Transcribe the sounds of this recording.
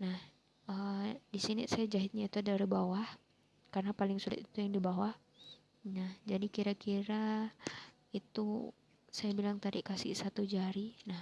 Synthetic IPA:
nah | ədisinḭsajad͡ʒaɦɪt̪̚ɲait̪uadaɾibawah | karnapalɪŋsulɪ̰t̪it̪ujaŋdibawah | nahd͡ʒadikiɾakiɾa | it̪u | sajabilaŋt̪adiʔkasɪ̰hsat̪ud͡ʒaɾinah

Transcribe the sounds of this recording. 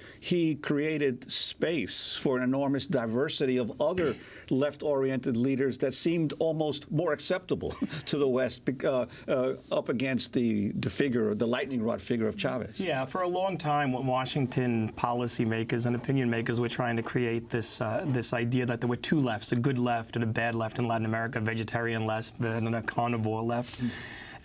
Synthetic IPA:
ikʰɹ̥ieɪɾɨdspeɪsfə˞ɨ̃nɨnɔɹmɨsd̥aɪvɜ˞sɨɾiʌvʌðə˞ | lɛftɔɹiɛ̃ntɨdˡliɾə˞zðɨtsĩmdɔlˠmoʊst̚mɔɹɨksɛp̚təbl̩ˠtʰɨðəwɛst̚b̥ɨ | ʌpɨɡɛ̃nst̪̚ðɨðɨfɪɡjə˞ðəlaɪʔⁿnɪ̃ŋɹɑ̰dfɪɡjə˞ʌv̥t͡ʃʰæ̰vɨ̰sjæfə˞əlɔ̃ŋtʰãɪ̃mwʌ̃nwɑʃɪ̃ŋtʰɨ̃npʰɑlˠəsimeɪkə˞zɨ̃nɨpʰɪ̃njɨ̃nmeɪkə˞zwə˞tʰɹ̥aɪɪ̃ŋtʰɨkʰɹ̥ieɪt̪̚ðɪsðɪsaɪdiɨðɨt̪̚ðə˞wə˞tʰulɛftsɨɡʊdˡlɛftɨ̃nɨbædˡlɛftɨ̃nlæʔn̩əmɛɹɨkɨvɛd͡ʒɨtʰɛɹiɨ̃nlɛsbɨnə̃nɨkʰɑnɨvɔɹlɛft

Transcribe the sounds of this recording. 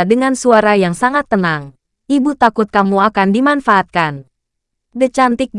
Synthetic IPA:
dəŋansuaɾajaŋsaŋat̪ːənaŋ | ʔibut̪akʊt̪̚kamuakandimanfaʔːt̪̚kan | dət͡ʃant̪ɪk̚d

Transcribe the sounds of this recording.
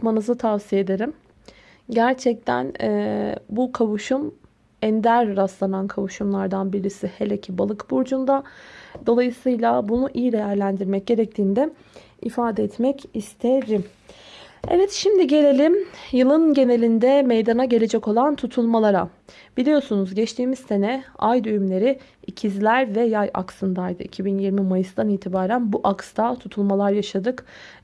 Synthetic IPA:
pmanɯzɯt̪ʰafsijed̪e̞ɾim | ɟæɾt͡ʃʰɛc̚t̪ʰæ̰nɛbukʰavuʃum | ɛnd̪æɾːaslˠanankʰavuʃumlˠaɾd̪anbiɾisihelʲecʰibalˠɯkbuɾd͡ʒund̪ad̪o̞lˠajɯsɯjlˠabunuʔijid̪e̞jæɾlʲænd̪iɾmɛc̚ɟe̞ɾɛc̚t̪ʰiːnd̪ɛ | ifaːd̪ɛɛt̪mɛcist̪ʰeɾim | evɛt̪ʃimd̪iɟe̞lʲe̞lʲimjɯlˠɯnɟe̞ne̞lʲind̪ɛmejd̪anaɟe̞lʲe̞d͡ʒɛko̞lˠant̪ʰut̪ʰulˠmalˠaɾa | b̥ilʲijo̞sunuzɟɛt͡ʃt̪ʰiːmizse̞nɛajd̪øjymlʲe̞ɾi | icʰizlʲæɾvɛjaja̰ksɯnd̪aajd̪ɯ̰ʔicʰibinjiɾmimajɯsd̪aniːt̪ʰibaːɾænbuʔakst̪ʰat̪ʰut̪ʰulˠmalˠaɾjaʃad̪ɯk

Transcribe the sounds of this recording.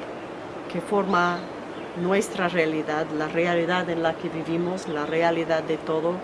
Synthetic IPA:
kefoɾma | nwest̪ɾarealiðaðlarealiðaðenlakeβiβimozlarealiðaðd̪et̪oðo

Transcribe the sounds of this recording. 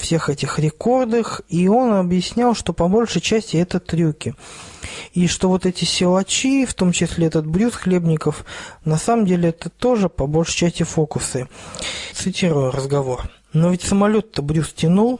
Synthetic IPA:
fsʲe̞xɛtʲɪxɾʲɪko̞rd̪ɨxio̞nɐbjɪsʲnʲalˠʂt̪o̞pɐbo̞lʲʂɨjt͡ɕæsʲtʲɪɛt̪ət̪ɾʲukʲɪ | iʂt̪o̞vo̞t̪ɛtʲɪsʲɪlˠɐt͡ɕift̪o̞mt͡ɕɪsʲlʲeɛt̪ət̪̚bɾʲusxlʲe̞bnʲɪkəfnɐsaməmdʲelʲɪɛt̪ət̪o̞ʐɨpɐbo̞lʲʂɨ̥jt͡ɕæsʲtʲɪfo̞kʊsɨt̪sɨtʲiɾʊjʊrəzɡɐvo̞r | novʲɪtʲsəmɐlʲo̞t̪ːəbɾʲustʲɪnulˠ

